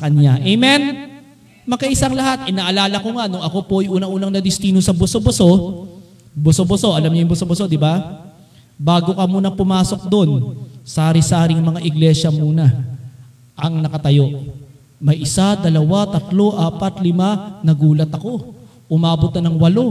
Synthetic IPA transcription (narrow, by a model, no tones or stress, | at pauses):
ɐkɐɲaʔejmɛn | mɐkɐʔɪsaŋlɐɦat̪̚ʔɪnaːʔɐlaːlɐko̞ŋanʊŋɐko̞po̞ʔɐjʔuːnɐŋʔuːnɐŋnɐd̪ɪst̪iːnosɐbosoboso̞ | bʊsoboso̞ʔɐlamɲojʊŋbʊsobɐso̞d̪ɪba | baːɡo̞kɐmuːnɐpʊmaːso̞k̚d̪o̞nsaːɾɪsaːɾɪŋmɐŋaʔɪɡlɛʃɐmuːnɐ | ʔɐŋnɐkɐt̪ɐjo̞ | mɐjʔɪsad̪ɐlɐwat̪ɐt̪lo̞ʔaːpɐt̪lɪmanɐɡuːlɐt̪ɐko̞ | ʔʊmaːbot̪nɐnɐŋwɐlo̞